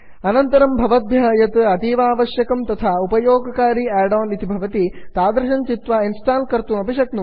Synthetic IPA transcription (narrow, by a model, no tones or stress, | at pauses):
ɐnɐnt̪ɐɾɐmbʱɐʋɐt̪̚bʱjaːjɐt̪ɐt̪iːʋaːʋɐʃjɐkɐmt̪ɐt̪ʰaupɐjoːɡɐkaːɾiɛːɖaːnit̪ibʱɐʋɐt̪it̪aːd̪ɾɐʃɐnt͡ʃit̪ʋainsʈaːlkɐɾt̪umɐpiʂɐknu